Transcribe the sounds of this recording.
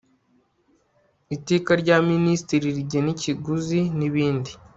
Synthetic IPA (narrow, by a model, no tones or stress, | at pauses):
iteːkaɾɟaːministiɾiɾɟeniciɡuziniβiːndi